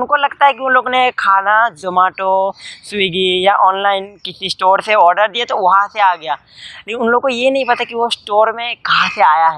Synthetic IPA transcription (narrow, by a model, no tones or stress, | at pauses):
ʊnkolɐɡt̪aɦɛkiʊnloːɡnekʰaːnad͡ʒɐmaːʈosʊiɡijaʔɔːnlaːɪnkɪsisʈoːɾseɔːɾɖəɾd̪iet̪oʋɐɦãseaːɡɐjaː | leknʊnloːɡ̚kojenɐɦĩpɐt̪akiʋosʈoːɾmẽkɐɦãseaːjaɦɛː